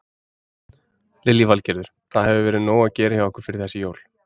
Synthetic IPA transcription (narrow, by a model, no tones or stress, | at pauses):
lɪljivalcɛɾðʏɾ̥θaðhɛvʏvɛːɾɪðnoːwacɛːɾɪçjawɛhkʏ̥ɾ̥fɪɾɪɾ̥θɛsːɪjoːwl̥